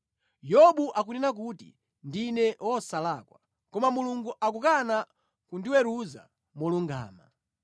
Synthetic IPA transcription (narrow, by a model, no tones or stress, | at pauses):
jɔɓuʔak̬unɛnak̬utḭ | ndinɛwɔsalakwa | kɔmamuluŋɡuʔakukana | kundiwɛɾuza̰ | mɔluŋɡa̰ːma